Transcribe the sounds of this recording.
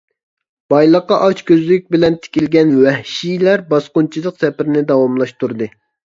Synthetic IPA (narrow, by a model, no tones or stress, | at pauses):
b̥ɑjlˠəqːɑʔɑt͡ʃkʲʰøzlɪk̚ʲbɪlɛnt̪ʰɪ̥kʲilɡʲɛnwɛhʃijlæɾbɑsqʊnt͡ʃʰilˠəqsɛpɪɾɪnɪd̪ɑwɑmlˠɑʃt̪ʰuɾd̪ɨ